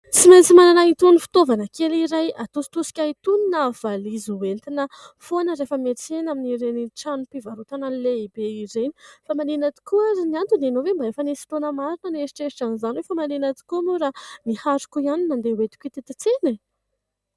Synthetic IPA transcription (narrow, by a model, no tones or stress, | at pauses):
t͡simajnt͡simananait̪unifi̥t̪ovanəkeliɾajat̪usi̥t̪usi̥kʲait̪uninav̥alizuwelt̪inə | fonəɾefəmet͡senaminiɾeniʈ͡ʂanupivaɾut̪ananileibeizeni̥famanenat̪i̥kuaziniant̪unanovembaefənesi̥t̪onəmaɾinəneʃi̥ʈ͡ʂeiʈ͡ʂanizaniwefamanenat̪i̥kumuɾanihaɾu̥kuianinand̪ewet̪i̥kʲit̪et̪it͡sene